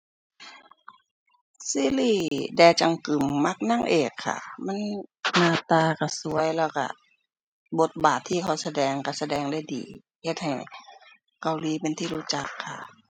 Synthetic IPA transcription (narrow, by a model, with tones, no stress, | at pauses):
siː˧˥˨liː˧˩dɛː˧˩t͡ɕa˧˨ŋkɯ˨˩mːa˧˥˩k̚na˧˥˨ŋʔeː˨˩kʰːa̰˧˩ma˧˥˨nnaː˧˩t̪aː˧ka˧˩su˧˦əjlɛː˧˩wka̰˧˩ | bo˧˦t̪̚baː˨˩t̪ʰːiː˧˩kʰa˧˩wsa˧dɛː˧ŋka˧˩sa˧dɛː˧˩ŋda˧˥˨jdiː˨˩ | he˧˦t̪̚ha˨˩j | ka˧˨wliː˧˦pe˧˨nt̪ʰiː˧luː˧˥˦t͡ɕa˧kʰːa̰˧˩